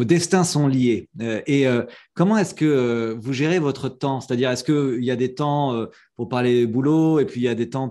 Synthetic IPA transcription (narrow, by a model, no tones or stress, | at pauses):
od̪ɛst̪ɛ̃sɔ̃lijeøʔeøkɔmɑ̃ɛskəøvuʒeʁevɔt̪χət̪ɑ̃se̥t̪ad̪iʁɛskəiljad̪et̪ɑ̃ø | puʁpaʁled̪əbuloepɥiːljad̪et̪ɑ̃